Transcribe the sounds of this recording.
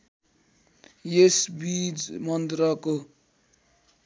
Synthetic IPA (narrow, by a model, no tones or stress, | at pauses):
jesbid͡zmʌnd̪ɾʌko